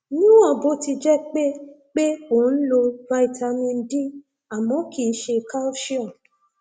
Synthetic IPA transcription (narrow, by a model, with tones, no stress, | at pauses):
nũ˦ã˦˨bo˨˦ti˧d͡ʒɛ˦k͡pe˦ | k͡pe˦o˨˦n̩˦lo˧va˧i˦˨ta˧mĩ˧n̩˦di˦ | a˨mɔ̃˨˦kʰi˨˦ʃe˧ka˦ʃi˦ɔ̃˨